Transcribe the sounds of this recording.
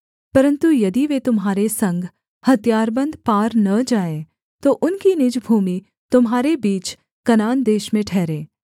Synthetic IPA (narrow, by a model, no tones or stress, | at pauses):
pɐɾə̃nt̪ujɐd̪iʋet̪ʊmɦaːɾesɐ̃ŋɡʱ | hɐt̪jaːɾbə̃nd̪paːɾnɐd͡ʒaːe | t̪oʔʊnkinɪd͡ʒbʱuːmi | t̪ʊmɦaːɾebiːt͡ʃ | kɐnaːnd̪eːʃmẽʈʰɛːɾẽː